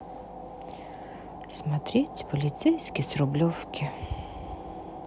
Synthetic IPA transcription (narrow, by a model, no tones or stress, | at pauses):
smɐt̪ɾʲitʲpɔlʲit̪sɛjsʲkʲisɾʊblʲɔwkʰʲɪ